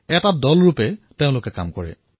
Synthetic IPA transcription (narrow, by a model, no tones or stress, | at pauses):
ɛtadɔlɹupɛteʊ̃lʊkɛka̰mkɔɹɛ̰